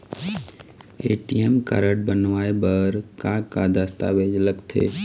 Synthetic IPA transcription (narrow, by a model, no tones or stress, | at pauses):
eːʈijemka̰ɾəʈbənʋaːebəɾkakad̪əst̪a̰ʋeːd͡ʒləɡt̪ʰḛː